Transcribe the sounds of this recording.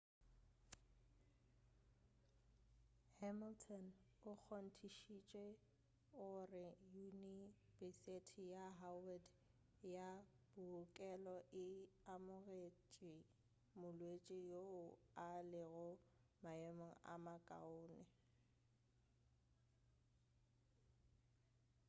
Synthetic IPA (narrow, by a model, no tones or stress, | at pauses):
hɛmiltʰɔnʊk͡xʰon̩tʰiʃit͡ʃʼwe | ʊrɪjunib̥ɪsetʰijaɦawɛd | jab̥ʊkʼɛlɔʔɪamʊɣet͡ʃʼɪ | mʊlwet͡ʃʼɪjoʊalɪɣʊ | maɛmɔa̰makʼa̰ʊːnɛ